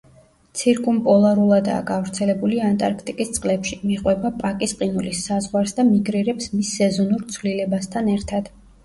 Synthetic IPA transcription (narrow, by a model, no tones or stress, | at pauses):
t̪sʰiɾkʼumpʼɔlˠaɾulˠad̪a̰ːɡavɾt̪sʰɛlɛbuliant̪ʼa̰ɾkʰt̪ʼikʼist̪sʼqʼlɛpʃimiqʼwɛbapʼakʼisqʼinulisːazʁwaɾsd̪amiɡɾiɾɛpsmisːɛzɔnuɾt̪sʰvlilɛbast̪ʰanɛɾt̪ʰad̪̥